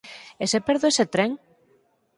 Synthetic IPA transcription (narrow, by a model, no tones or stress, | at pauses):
esepeɾðoeset̪ɾeŋ